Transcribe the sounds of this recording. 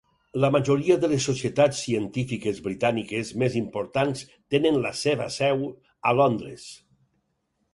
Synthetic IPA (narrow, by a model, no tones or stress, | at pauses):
ləmaʒoɾiəðəlesːosiet̪at͡sːiənt̪ifikezβɾit̪anikezmezimpoɾt̪ans | t̪enenləseβ̞ə̰sɛw | ə̰lond̪ɾḛs